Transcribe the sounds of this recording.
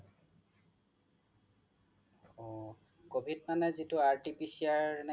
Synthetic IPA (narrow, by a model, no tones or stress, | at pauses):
ɔ | kobʱitmanɛzitʊaɹtipisiaɹna